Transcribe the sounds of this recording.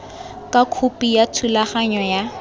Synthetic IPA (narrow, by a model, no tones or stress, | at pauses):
kʼakʰupʼijatʰulaχaɲɔja